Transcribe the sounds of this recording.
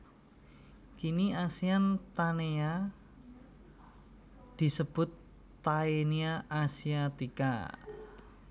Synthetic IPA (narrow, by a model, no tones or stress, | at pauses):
kiniasiant̪aneja | d̪̥i̤səb̥ʊ̤t̪ː | aeniaʔasiat̪ika̰